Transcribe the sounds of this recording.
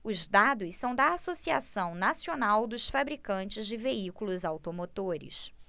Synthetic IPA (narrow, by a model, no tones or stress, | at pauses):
ʊzd̪ad̪ʊssɐ̃w̃d̪ɐasosia̰sɐ̃w̃nasionawd̪ʊsfabɾikɐ̃nt͡ʃɪzd͡ʒɪveikulʊzawt̪omot̪oɾɪ̰s